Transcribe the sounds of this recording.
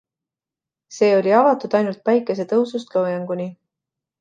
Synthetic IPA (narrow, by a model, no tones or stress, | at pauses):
se̞ːo̞lʲiɑvɑt̪ud̪̥ɑjnult̪̚pæjkːˑe̞s̬e̞t̪ɤusust̪lowjɑŋɡ̥uni